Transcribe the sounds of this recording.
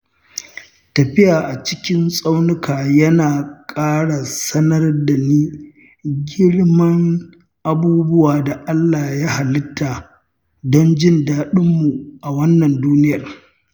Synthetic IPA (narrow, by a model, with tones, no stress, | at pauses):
tɐ˨ɸɪ˦jaː˨ʔa˨t͡ʃɪ̥˦kʲɪ˦nsʼa˦wnɪ˦kʰaː˨jɐ˦naː˨kʼaː˦ɽa˨sɐ˦nɐ˦rda˨niː˦ | ɡʲɪ˦ɽmɐ˦ŋ | ʔa˨buː˦bʊ˦waː˨da˨ʔa˦lːaː˨ja˦ha˨lɪ˦tʰːa˨ | dɔ˦nd͡ʒɪ˦˨ndaː˨ɗɪ˦mːu˨ʔa˨wɐ˦nːɐ˨nduː˦nɪ˦jɐ˨r